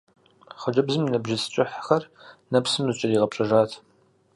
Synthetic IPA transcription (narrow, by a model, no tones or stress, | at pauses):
χɐd͡ʒʼɐbzɨminɐbʒɪst͡ʃʼɪħxɐrnɐpsɨmzɨt͡ʃʼɐdiːʁɐpɕʼɐʒaːtʰ